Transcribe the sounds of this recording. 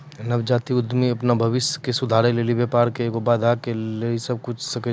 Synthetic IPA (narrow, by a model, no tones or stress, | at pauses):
nɐbd͡ʒaːt̪iʊd̪ʱmiɐpnabʱɐʋɪsjə̥kesʊd̪ʱaːɾeleːlibepaːɾkekobaːd̪ʱakeleːlisɐb̚kʊt͡ʃʰsɐkə